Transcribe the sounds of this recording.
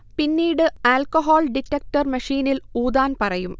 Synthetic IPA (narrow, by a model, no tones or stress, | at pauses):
pinːiːɽɨaːlkoɦoːlɖikʈːɐk̚ʈɐrmɐʂiːniluːd̪aːnpɐrɐjum